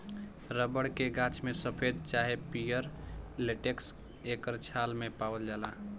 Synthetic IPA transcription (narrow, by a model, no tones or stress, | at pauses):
ɾəbəɽkeɡãt͡ʃmesəpʰed̪̚t͡ʃaɦepijəɾleʈeks | ekəɾt͡ʃʰalmepawəld͡ʒala